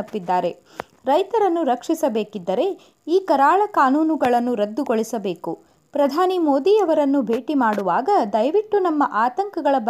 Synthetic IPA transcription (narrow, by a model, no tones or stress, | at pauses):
ɐpːid̪ːaːɾe̞ | ɾɐjt̪ɐɾɐnːuɾɐkʂisɐbe̞ːkid̪ːɐɾe̞ | iːkɐɾaːɭɐkaːnuːnuɡɐɭɐnːuɾɐd̪ːuɡoɭisɐbe̞ːku | pɾɐd̪ʱaːnimoːd̪iɐʋɐɾɐnːubʱe̞ːʈimaːɽuʋaːɡɐd̪ɐjʋiʈːunɐmːɐʔaːt̪ɐŋkɐɡɐɭɐb